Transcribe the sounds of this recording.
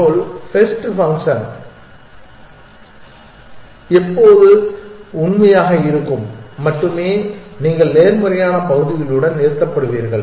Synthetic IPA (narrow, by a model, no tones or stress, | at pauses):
oːlfɛsʈfɐŋkʂɐn | ɛpːoːðɯʊɳmɐjaːɣɐɪɾɯkːɯmːɐʈːɯmeːniːŋɡɐɭneːɾmɯrɐjaːnɐpɐɣɯðɪjɪɭɯɽɐnneːɾt̪ːɐpːɐɽɯʋiːɾɣɐɭ